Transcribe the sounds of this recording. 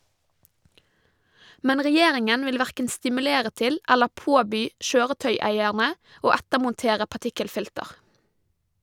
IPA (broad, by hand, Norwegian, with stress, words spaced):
ˈmɛn ʁɛˈjeːɾɪŋən ˈʋɪl ˈʋæʁkən stɪmʉˈleːɾə ˈtɪl ˈɛlə ˈpoːbyː ˈʃøːʁəˌtœʏˌæɪæɳə ˈoː ˈætəmʊnˌteːɾə pɑˈʈɪkəlˌfɪltəʁ